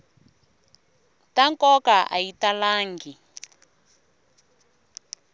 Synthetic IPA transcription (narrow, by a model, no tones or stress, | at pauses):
taŋkɔkaʔa̰italaːŋɡi